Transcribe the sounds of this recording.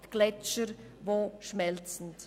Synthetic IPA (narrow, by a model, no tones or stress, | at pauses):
tɡ̥lɛt͡ʃəɾ | voːʃmɛlt͡sn̩t